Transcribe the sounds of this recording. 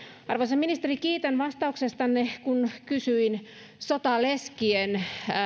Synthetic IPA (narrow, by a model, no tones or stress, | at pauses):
ɑrʋoiseminist̪erikiːt̪enʋɑst̪ɑuksest̪ɑnːekunkysyin | sot̪ɑleskien